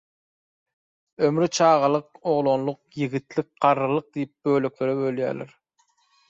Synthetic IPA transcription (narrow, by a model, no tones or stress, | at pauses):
ømɾit͡ʃʰɑːʁɑlˠɯq̚o̞ʁlˠonlˠuq̚jiɣit̪lik̚ɢ̥ɑɾɯlˠɯq̚d̪ijip̚bø̞ːløkʲle̞ɾebø̞lʲjæ̰ːlḛɾ